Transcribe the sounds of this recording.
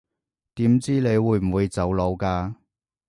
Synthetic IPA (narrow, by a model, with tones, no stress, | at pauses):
t̪iː˨˥mt͡siː˥le˨˧jwuː˨˧jm̩˨˩wuː˨˧jt͡sɐ˨˥wlo˨˧wkaː˧